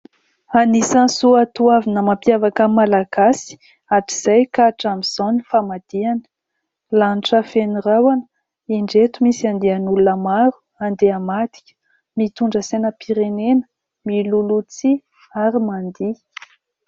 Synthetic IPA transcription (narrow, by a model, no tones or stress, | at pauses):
anisansuat̪uavinəmapjavakəmalaɡasi̥ | aʈ͡ʂiz̥ajkaʈ͡ʂamiz̥onifamad̪̥ianə̥ | lanʈ͡ʂəfenirawanə | eɳɖ͡ʐet̪umisiand̪eanulunəmaɾu̥ | and̪eamad̪i̥kʲə̥ | mit̪uɳɖ͡ʐəsenəpiɾenenə̥ | milulut͡si | aɾimand̪i